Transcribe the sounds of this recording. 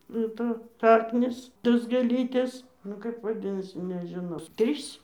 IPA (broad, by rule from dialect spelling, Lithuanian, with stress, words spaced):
nʊ ˈtoːs ˈʃɑːknʲiːs ˈtoːs ɡʲeːˈlʲiːtʲeːs ˈnʊ kɐɪp ʋɐˈdʲɪnɐsʲɪ nʲɛʒʲɪˈnɐʊ ˈtʲrʲiːs